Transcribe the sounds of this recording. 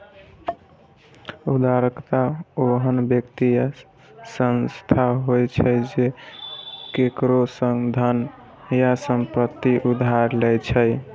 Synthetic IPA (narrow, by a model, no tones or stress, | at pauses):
ud̪ʱaɾəkt̪aoɦənbjəkt̪ija | sənst̪ʰaɦojt͡ʃʰəd͡ʒe | kekɾosəŋɡd̪ʱən | jasəmpɾət̪iʔud̪ʱaɾlɛjt͡ʃʰəj